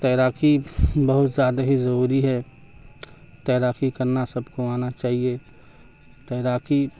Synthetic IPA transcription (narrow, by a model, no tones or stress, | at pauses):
t̪ɛːɾaːkibɐɦʊt̪zjaːd̪aɦizɐɾuːɾiɦɛ | t̪ɛːɾaːkikɐɾnasɐbkoaːnat͡ʃaːɦie | t̪ɛːɾaːki